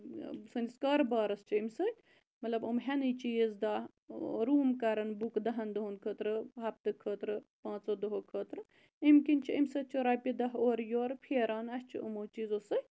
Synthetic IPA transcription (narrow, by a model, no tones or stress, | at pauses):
sənʲiskɐːɾbaːɾɐst͡ʃʰiimʲsɐ | mɐt̪lɐbumɦenɨt͡ʃiːzd̪aː | ɾuːmkɐɾɐnbukd̪ɐɦɐnd̪oɦonkʰəːt̪ɾɨɦɐp̚t̪ɨkʰəːt̪ɾɨpãːt͡sod̪oɦokʰəːt̪ɾɨ | imkint͡ʃʰiimʲsɐt͡ʃʰoɾaːpid̪ɐɦoːɾjoːɾpʰeːɾaːnɐst͡ʃʰiṵmoːt͡ʃiːzosə